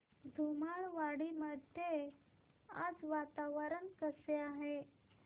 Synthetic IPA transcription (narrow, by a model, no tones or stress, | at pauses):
d̪ʱumaɭʋaɽiməd̪ʱje | a̰d͡zʋat̪aʋəɾənkəseaɦe